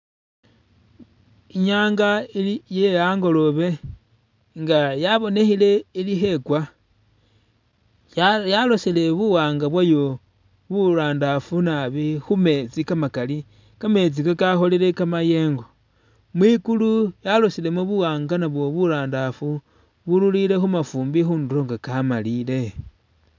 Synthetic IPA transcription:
iɲaːŋɡaiijejaːŋɡo̞lo̞βe̞ | ŋɡajaβo̞ne̞xile̞ilixe̞kwa | jalosile̞βuwaːŋɡaβwajo | βuɾaːndafunaβixume̞t͡sikamakali | kame̞t͡sikakaxo̞lile̞kamaje̞ːŋɡo̞ | mwikulujalo̞sile̞moβuwaːŋɡanaβwo̞βuɾaːndafu | βululile̞xumafuːmbixuːnduɾo̞ŋɡakamaliːle̞

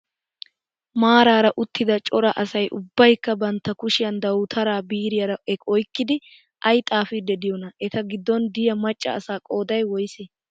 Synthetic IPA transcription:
maːɾaːɾɐʔʊt̪ʰːɪd̪ɐt͡ʃʼɔɾɐʔɐsɐjʔʊbːɐjkːɐbɐnt̪ːɐkʊʃɪjɐnd̪ɐwt̪ʰɐɾaːbiːɾɪjɐɾɐʔɛɔjkːɪd̪ɪ | ʔɐjt̪ʼaːfɪd̪ːɛd̪ɪjɔnɐʔɛt̪ɐɡɪd̪ːɔnd̪ɪjɐmɐt͡ʃʼːɐ̰ːsaːkʼoːd̪ɐjwɔjse

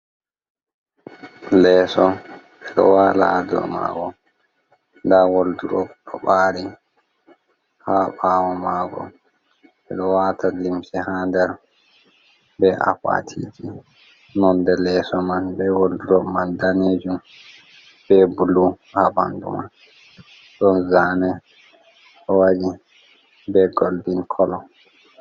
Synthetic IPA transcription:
lɛːsɔ | ɛɗɔ̰waladɔ̰ma̰ɡɔ | ndawolduɾɔɗɔɓaːɾi | haːɓaːwɔmaːɡɔ̰ | ɓɛɗɔwatʰalimsɛhandɛɾ | bɛʔa̰fa̰tʰḭd͡ʒi | nɔndɛlɛsɔmanbɛwolduɾɔmandaned͡ʒum | b̥ɛbulu | haba̰ndṵman | ɗɔnzaːnɛ | ɔwad͡ʒi | bɛɡolbinkʰɔlɔ

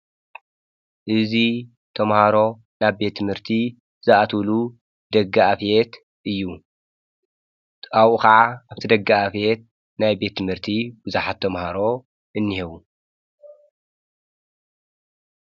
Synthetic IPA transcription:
ʔɨzi | t̪ʰɐmhaɾo̞ | naβbe̞t̪ʰːɨmhɨɾt̪ʰi | zɨʔat̪ʰulu | d̪̥ɐɡaʔafet̪ | ʔɨjːu | awʔukaʕaʔaβt̪ʰid̪ɐɡːaafet̪̚ | najbe̞t̪ːɨmhɨɾt̪ʰibɨzuħat̪ʰːɐmhaɾo̞ | ʔɨnːihɛβu

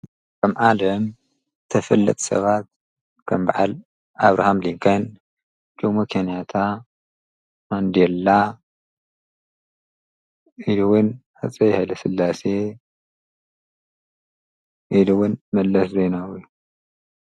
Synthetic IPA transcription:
kʰʼɐmʕalɐm | t̪ʰɐfɐlːɐ̰t̪ʼsɐ̰βat̪̚ | kʰɐmba̰ʕa̰l | ʔaβɾa̰hamliŋkʰɐn | t͡ʃʰʼumɐkʰenijat̪ʰa | mand̪elːa | iluwʊn | at͡sʼɐjhajlɐsɨlːase | ʔiluwʊnmɐlːɐszejnawju

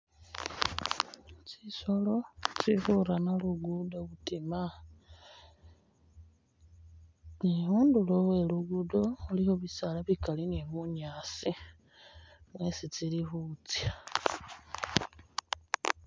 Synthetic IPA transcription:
t͡siso̞lo̞t͡sifuɾanaluɡudo̞βutima | niβuːndulowe̞luɡudo̞ulihoβisalaβikalineβuɲaːsi | mwe̞sit͡silihut͡sja

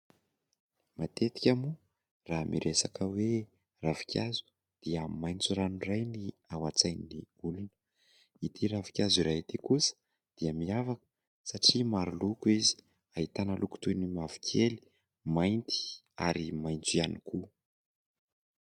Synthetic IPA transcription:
mat̪et̪i̥kʲamu | raːmʔḭɾʔesakəwe | ravi̥kʲjazu̥ | d̪̥iəmajnt͡suɾanurajniawat͡sajniniulunə̥ | it̪ʰiɾavi̥kʲaziɾaɦit̪ikusə̥ | d̪̥iəmiavakə̥ | saʈ͡ʂimaɾulukizi̥ | aɦit̪anəluku̥t̪ujnimavi̥kʲʰeli̥ | majnt̪i̥ | a̰ɾimajnt͡sianikʰu

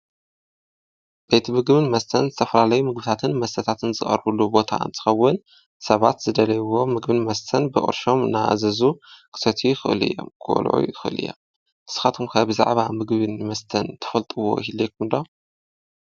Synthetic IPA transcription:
b̥et̪ʰmɨɡβɨnmɐst̪ʰɐnzɨt̪ʰɐfɐlalajumɨɡbɨt̪ʰat̪ʰɨnmɐst̪ʰɐt̪ʰat̪ʰɨnzɨ̰χʼɐ̰ɾbɨlːubo̞t̪ʰa̰ɨ̰nt̪ʰɨ̥xɐwːɨn | sɐβat̪z̥ɨd̪ɐlɐjwo̞mɨɡbɨnmɐst̪ʰɐnbɨʔʼɨ̰ɾʃo̞mnaa̰zɐzukʰɨ̥sɐt̪ʰujɪxɨʔɨlɨ̰jːo̞̰mkʰɨ̰ʔlʕṵjxɨʔɨ̰lɨ̰jːo̰m | ʔɨ̥sɨ̥xat̪ʰumkʰɐbɨza̰ʕβamɨɡβɨnmɐst̪ʰɐnt̪ʰɨ̥fɐlt̪ʼɨwo̞̰hilːek̚umnd̪o

